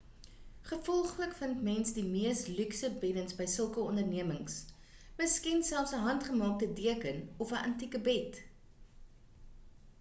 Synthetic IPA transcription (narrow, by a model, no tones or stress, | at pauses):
χəfɔlˠχləkfəntmɛnsdimiəstlyksəbɛdənsbəjsəlˠkəɔndərniəməŋs | məskinsælˠfsəɦɐntχəmɑːk̚tədiəkənɔfəʔɐntikəbɛt